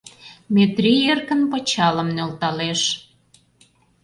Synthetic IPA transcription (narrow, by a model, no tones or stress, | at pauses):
mʲet̪ɾierkənpot͡ɕɑlə̆mnølt̪ɑleʃ